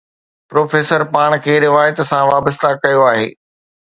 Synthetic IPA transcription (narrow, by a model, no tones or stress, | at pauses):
pɾoːfeːsəɾpaːɽ̃kʰeːɾɪʋaːjət̪sãʋaːbəs̬t̪akɐjoaːɦḛː